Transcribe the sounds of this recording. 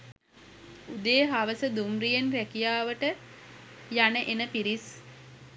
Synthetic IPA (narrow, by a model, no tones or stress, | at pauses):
ud̪eːɦaʋəsəd̪umrijenrækijaːʋəʈə | janəʔenəpiɾis